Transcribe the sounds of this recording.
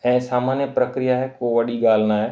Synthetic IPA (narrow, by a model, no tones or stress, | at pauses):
ɛ̃ːsaːmaːnjəpɾɐkɾijaɦɛkoːʋɐɗiɠaːl̤naːɦɛː